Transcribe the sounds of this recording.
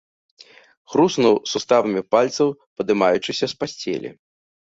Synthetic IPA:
xɾusnuwsust̪avɐmʲipalʲt̪sɐwpɐd̪ɨmajut͡ʂɨsʲɐspasʲt͡sʲɛ̰lʲḭ

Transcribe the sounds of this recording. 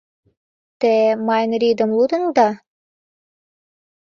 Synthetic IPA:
t̪emɑjnɾʲid̪ə̆mlud̪ənd̪ɑ

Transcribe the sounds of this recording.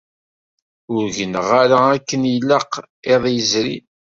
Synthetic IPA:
ʊɾʝənəʁaɾaækːənjəlːəq | eðˤjəzɾḭn

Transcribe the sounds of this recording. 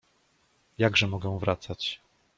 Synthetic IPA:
jaɡʐɛmɔɡɛw̃vɾʔat̪sat͡ɕ

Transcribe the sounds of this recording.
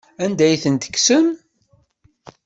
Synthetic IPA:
ænd̪æjθənt̪ə̥kːsəm

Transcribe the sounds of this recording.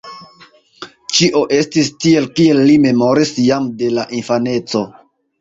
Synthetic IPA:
t͡ʃiʔo̞ʔe̞stistie̞lkie̞lːime̞mo̞ɾisjamde̞laʔinfane̞t͡so̞

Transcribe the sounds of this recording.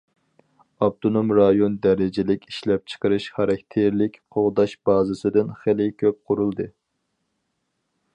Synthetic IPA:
ɑb̚t̪ʰonomɾɑjond̪ɛɾɪd͡ʒɪlɪkʲiʃlɛp̚t͡ʃʰə̥qəɾɨʃχɑɾɑkʲt̪ʰeɾlɪkʲqʰoʁd̪ɑʃb̥ɑːzɨsɨd̪ɨnχelɪkʲʰøp̚qʰʊɾulˠd̪ɨ

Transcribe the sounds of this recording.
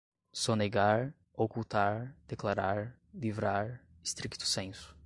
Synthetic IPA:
sɔneɡaɾ | okult̪aɾd̪̥eklaɾaɾ | livɾaɾ | ɪst̪ɾikt̪ʊ̥sẽsʊ̥

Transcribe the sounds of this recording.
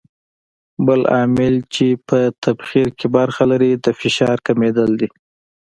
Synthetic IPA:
bəlɑmɪlt͡ʃepət̪ʰabxiɾkebəɾxalaɾid̪əfɪʃɑɾkamed̪əld̪i

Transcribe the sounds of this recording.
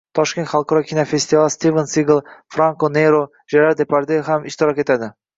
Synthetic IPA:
t̪ʰɒʃkʲent̪χalˠqʰɒɾɒkʲʰinofest̪ivalˠst̪ivensiɡlˠfɾaŋkoneɾo | ʒaɾaɾd̪epʰaɾd̪eɦamɪʃt̪ɪɾɒke̞t̪ʰad̪ɪ

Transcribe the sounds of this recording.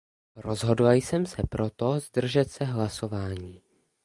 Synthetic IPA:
ɾo̞zɦo̞dlajsɛmsɛpɾo̞t̪ozd̪r̩ʒɛt̪sɛɦlaso̞vaːɲiː

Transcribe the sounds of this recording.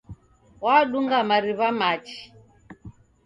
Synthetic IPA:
waːɗuŋɡamaɾiβamat͡ʃi̥

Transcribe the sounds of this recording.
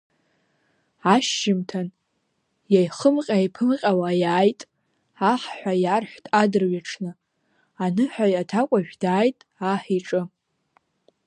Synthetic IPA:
aʃːɪmtʰan | jajχəmqʲʼajpʰɨmqʲʼawajaːjtʼ | aħħᶣʷajarħʷtʼadɨrɥaʈ͡ʂʰnɨ | anɨħʷᶣajatʰakʷʼaʒᶣdaːjtʼ | aħiʈ͡ʂʼɨ

